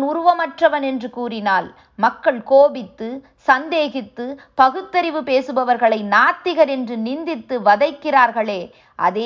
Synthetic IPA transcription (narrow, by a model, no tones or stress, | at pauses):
ʊɾʊʋɐmɐʈrɐʋɐnɛndrɯkuːrɪnaːl | mɐkːɐɭkoːbɪt̪ːɯ | sɐnd̪eːɣɪt̪ːɯ | pɐɣɯt̪ːɐɾɪʋɯpeːsɯbɐʋɐɾɣɐɭɐɪnaːt̪ːɪɣɐɾɛndrɯnɪnd̪ɪt̪ːɯʋɐðɐɪkːɪraːɾɣɐɭeː | ʔɐ̰ðeː